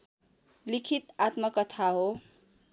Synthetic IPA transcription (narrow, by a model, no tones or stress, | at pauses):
likʰit̪at̪mʌkʌt̪ʰaɦo